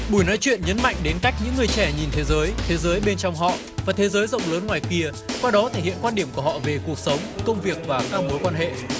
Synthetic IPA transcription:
ɓu˧˩jnɔ˨˦jt͡ɕwḭ˧˨ənɲə˨˦nma̰˧˨jŋ̟ɗe˨˦nka˦˥jk̟̚ɲɨ̰˧˥ŋːɨ˨˩əjt͡ɕɛ˧˩ɲi˨˩nt̪ʰe˨˦zəː˨˦jt̪ʰe˨˦zəː˨˦jɓe˧nt͡ɕɔ˧wŋ͡mɦɔ̰˧˨ | vaː˨˩t̪ʰe˨˦zəː˨˦jzə̰˧˨wŋ͡mləː˨˦nŋwaː˨˩jki˧əkwaː˧ɗɔ˨˦t̪ʰe˧˩hḭ˧˨ənkwaː˧nɗi˧˩əmku˧˩hɔ̰˧˨ve˨˩ku˨˩ək̚sə˨˦wŋ͡mkə˧wŋ͡mvi˨˩ək̚vaː˨˩kaː˦˥k̚mo˨˦jkwaː˧nɦḛ˧˨

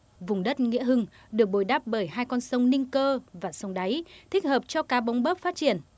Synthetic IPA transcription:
vʊ˨˩ŋ͡mɗə˦˥t̚ŋḭ˧˥əɦɨ˧ŋ | ɗɨ˨˩ək̚ɓo˨˧˩jɗaː˦˥p̚ɓəː˧˩jhaː˧jkɔ˧nsə˨˦wŋ͡mnï˧ŋkəː˧vaː˨˩sə˨˦wŋ͡mɗa˨˦jt̪ʰi˦˥k̟̚həː˨˩p̚t͡ɕɔ˧kaː˨˦ɓa˨˦wŋ͡mɓəː˦˥p̚faː˦˥t̚t͡ɕi˧˩ən

